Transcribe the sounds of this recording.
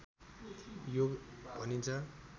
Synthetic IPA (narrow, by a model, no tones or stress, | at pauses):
joɡbʱʌnint͡sʰʌ